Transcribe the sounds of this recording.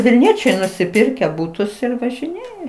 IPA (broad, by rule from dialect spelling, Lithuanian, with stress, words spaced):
ʋʲɪlʲˈnʲiɛt͡ʃʲɛɪ nʊsʲɪˈpʲɪrʲkʲæː ˈbʊtʊs ɪr ʋɐʒʲɪˈnʲeːjɛ